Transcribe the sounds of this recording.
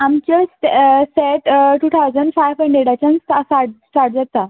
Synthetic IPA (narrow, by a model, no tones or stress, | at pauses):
amt͡ɕassɛʈʈut̪ʰawd͡zəɳɖfajʋə̃ɳɖeɽat͡ɕãnt̪asaʈsʈaʈ̚d͡zat̪a